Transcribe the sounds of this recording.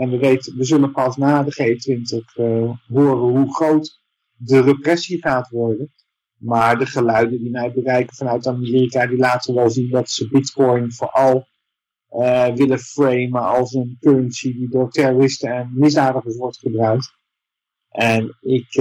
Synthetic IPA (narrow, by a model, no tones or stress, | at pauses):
ɛnʋəʋejtʋəzɵlənpɑsnaːdəχejəntʋɪntəχɦʊːrənɦuχrowt | dərəprɛsiχaːtʋɔɹdən | maːɹdəχəlœɥdəndimɛjbərɛjkənvɑnœɥtamɪːrikadilaːtəʋɛlˠzindɑtsəbɪtkɔjnvʊːɹʔɑlˠ | əʋɪləfrejməɑlˠsənkøɹənsididʊːɹtɛrorɪstəɛnmɪzdaːdəχəsʋɔɹtχəbrœɥk̚t | ʔɛnɪk